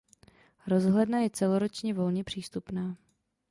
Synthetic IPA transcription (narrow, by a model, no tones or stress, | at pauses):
ɾo̞zɦlɛdnajɛt͡sɛlo̞ɾo̞t͡ʃɲɛvo̞lɲɛpr̝̥iːst̪upnaː